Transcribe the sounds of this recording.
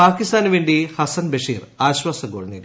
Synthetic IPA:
aːkːist̪aːnʋeːɳɖihɐsɐnbɐʂiːraːɕwaːsɐɡo̰ːɭniɾ

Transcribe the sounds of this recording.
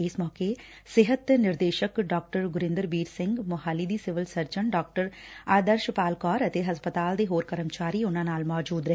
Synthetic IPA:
ɪːsmɔːke | sɪɦət̪nɪɾd̪eːʃəkɖɔːk̚ʈəɾɡʊɾɪ̃nd̪əɾbiːɾsɪ̃ŋɡmʊɦaːliːd̪iːsɪʋɪlsəɾd͡ʒəɳɖɔːk̚ʈəɾaːd̪əɾʃpaːlkɔːɾət̪eːɦəspət̪aːld̪eːɦoːɾkəɾəmt͡ʃaːɾiːʊnãːnaːlmɔːd͡ʒuːd̪ɾəɦ

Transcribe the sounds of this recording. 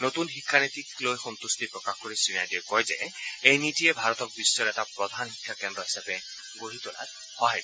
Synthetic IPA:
not̪unxikʰːanit̪iklojxɔnt̪ust̪ipɹɔkaxkoɹisinajdikɔjzɛejnitiɛbʱaɹɔt̪ɔk̚bisːɔɹɛtapɹɔd̪ʱanxikʰːakɛndɹɔɦisapɛ | ɡoɦit̪ɔla̰t | hɔɦajt

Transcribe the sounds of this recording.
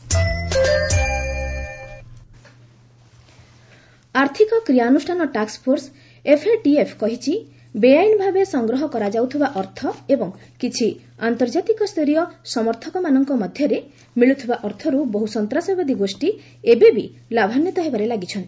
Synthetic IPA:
aɾt̪ʰikɔkɾijanusʈʰanɔʈakspʰoɾs | epʰeʈiepʰkɔɦit͡ʃʰi | bejajnɔbʱabesɔŋɡɾɔɦɔkɔɾad͡ʒawt̪ʰibaʔɔɾt̪ʰɔebɔŋ | kit͡ʃʰi | ant̪ɔɾd͡ʒat̪ikɔst̪eɾijɔsɔmɔɾt̪ʰɔkɔmanɔŋkɔmɔd̪ʱjɔɾe | miɭut̪ʰibaʔɔɾt̪ʰɔɾubɔɦusɔnt̪ɾasɔjbɔd̪iɡosʈi | ebebi | labʱanjɔt̪ɔɦebaɾelaɡit͡ʃʰɔnt̪i̥

